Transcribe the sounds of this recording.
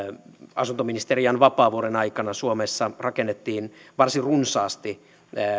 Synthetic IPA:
ɑ̰sunt̪ominist̪eriɑnʋɑpɑːʋuoɾenɑikɑnɑsuomesːɑrɑkenːet̪ːiːnʋɑrsirunsɑːst̪i

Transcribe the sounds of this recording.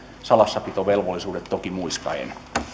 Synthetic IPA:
sɑlɑsːɑpit̪oʋelʋolːisuːdet̪t̪okimuiskɑ̰ḛn

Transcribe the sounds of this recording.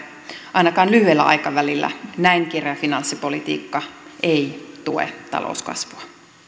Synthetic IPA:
ʔɑinɑkɑːnlyhyelːæʔɑ̰jkɑʋælilːæ̰næiŋkerjɑfinɑnsːipo̞lit̪ḭːkːɑʔeit̪uḛt̪ɑ̰lo̰uskɑ̰sʋuɑ

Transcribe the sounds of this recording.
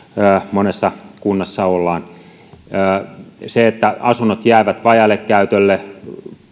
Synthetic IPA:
əːmonesːɑkunːɑsːɑolːɑːnː | seet̪ːæɑsunːot̪jæˑːʋæt̪ʋɑjɑlːekkæyt̪ølːe

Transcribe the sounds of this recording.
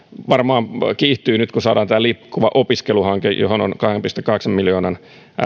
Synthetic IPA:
ʋɑrmɑːmkiːht̪yːnyt̪kusɑːdɑːnt̪ælipkːuʋɑʔopiskeluhɑŋkḛjo̰ɦhono̰nkɑhempist̪ekːɑheksɑmmiljoːnɑn

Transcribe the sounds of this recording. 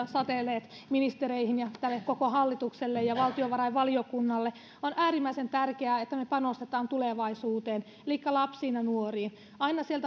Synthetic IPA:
sɑt̪eleːt̪minist̪ereihinjɑt̪ælːekkokohɑlːit̪ukselːejɑʋɑlt̪ioʋɑrɑiʋʋɑliokunːɑlːe | onʔæːrimːæisent̪ærkeæet̪ːæmepɑnost̪et̪ɑːnt̪uleʋɑisuːt̪eːn | liːkːælɑpsiːnɑnuoriːn | ɑinɑsielt̪æ

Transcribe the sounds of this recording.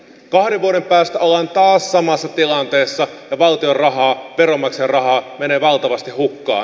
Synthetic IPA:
kɑhdeʋʋuoɾe̞mpæːst̪æʔolːɑnt̪ɑːssɑmɑsːɑt̪ilɑnt̪e̞ːsːɑ | jɑʋɑlt̪iorrɑɦɑːʋeɾo̞mɑkserrɑhɑːme̞neːʋɑlt̪ɑʋɑst̪ihhukːɑ̰ːn

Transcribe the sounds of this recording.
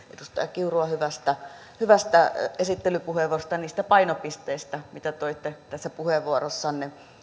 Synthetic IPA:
ʔedust̪ɑ̰jɑkkiuruɑhyʋæst̪æ | hyʋæst̪æesit̪ːelypuheʋost̪ɑniːst̪æpɑinopist̪eist̪æmit̪æt̪oit̪ːet̪æsːæpuheʋʋuorosːɑnni

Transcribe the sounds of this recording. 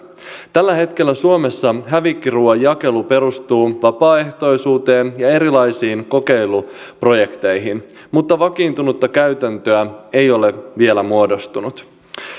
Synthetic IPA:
t̪ælːæhe̞t̪k̟e̞lːæsuome̞sːɑɦæʋikːiruːɑjɑke̞lupe̞ɾust̪uːʋɑpɑːe̞ht̪o̞jsuːt̪e̞ːnjɑe̞ɾilɑjsiːnko̞ke̞jlupro̞je̞kt̪e̞jɦin | mut̪ːɑʋɑkiːnt̪unut̪ːɑkæɥt̪ænt̪øæe̞jo̞leʋie̞læmuo̞do̞st̪unut̪

